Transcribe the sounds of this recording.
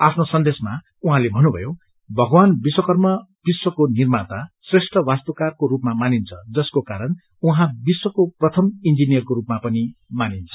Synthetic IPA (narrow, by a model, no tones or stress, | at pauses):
apʰnosʌnd̪esma | uɦãlebʱʌnːubʱʌ̰jo | bʱʌɡwanbiswʌkʌrmʌb̥iswʌkonirmat̪asresʈʰʌwast̪ʌkarkoɾupmamanint͡sʰʌd͡zʌskokaɾʌn | uɦãbiswʌkoprʌt̪ʰʌmind͡zinijʌrkoɾupmapʌnimanint͡sʰʌ̥